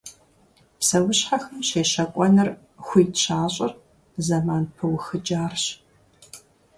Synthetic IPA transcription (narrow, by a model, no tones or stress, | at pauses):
psɐwʊɕħaxɐmʃeːʃɐkʷʼɔnɨr | xʷiːtɕaːɕʼɐr | zɐmaːnpʰɨwxɨd͡ʒaːrɕ